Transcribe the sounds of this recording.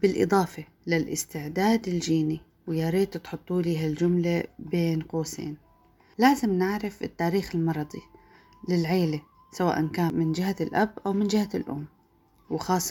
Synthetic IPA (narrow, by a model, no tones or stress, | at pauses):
b̥ɪlʔɨ̰d̪ˤɑːfe | lɪlʔɪ̰st̪ɪʕd̪aːd̪ɪld͡ʒiːni | wjaːɾeːt̪t̪ħʊt̪ˤːuːliːɦald͡ʒʊmlabeːnqoːsḛːn | laːzɪmnɪʕɾɪfɪt̪ːaːɾiːxɪlmɑɾˤɑd̪ˤi | lɪlʕeːle | sawa̰ːʔankaːnmɪnd͡ʒɪɦalʔabʔawmɪnd͡ʒɪhalʔʊ̰mː | wɪxɑːsˤː